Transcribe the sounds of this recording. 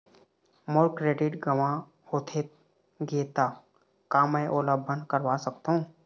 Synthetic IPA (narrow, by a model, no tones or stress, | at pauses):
moːɾkɾeːʈɪɖɡəʋã | hoːt̪ʰe | ɡeːt̪a | kaːmɛʔoːləbʱənkəɾʋasəkt̪aɦũː